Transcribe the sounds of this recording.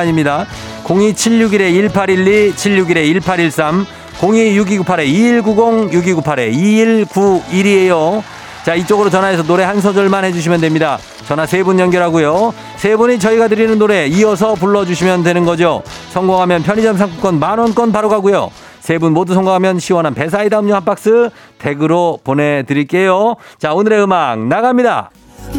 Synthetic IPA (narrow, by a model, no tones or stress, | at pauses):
ɲimɲida | koŋit͡ɕʰiʎjuɡiɾe̞iɭpʰaɾiɭːit͡ɕʰiʎːjuɡiɾe̞iɭpʰaɾiɭs͈am | koŋijuɡiɡupʰaɾe̞iːɭɡuɡoŋjuɡiɡupʰaɾe̞̰iiɭkuiɾie̞jo | t͡ɕait͡ɕ͈oɡɯɾot͡ɕʌnɦaes̬ʰʌnoɾe̞hansʰʌd͡ʑʌɭmanhe̞d͡ʑuɕ̬ʰimjʌndwe̞mɲida | t͡ɕʌnasʰe̞bunjʌnɡjʌɾɦaɡujo | sʰebuɲit͡ɕʌiɡadɯɾinɯnːoɾe̞iʌs̬ʰʌp̬uɭːʌd͡ʑuɕʰimjʌndwe̞nɯnɡʌd͡ʑosʰʌŋɡoŋɦamjʌnpʰjʌɲid͡ʑʌmsʰaŋkʰuk͈ʌnmanwʌnk͈ʌnpaɾoɡaɡujo̰ | sʰe̞bunmodusʰʌŋɡoŋɦamjʌnɕʰiwʌnɦanpe̞s̬ʰaidaɯmɲʌhanp͈ak̚s͈ɯ | te̞ɡɯɾopone̞dɯɾiɭk͈e̞jot͡ɕaonɯɾe̞ɯmak̚naɡamɲida̰